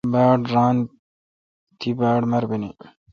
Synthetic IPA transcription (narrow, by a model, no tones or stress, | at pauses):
baːɽɾaːn | t̪ʰibaːɖmɐɾbini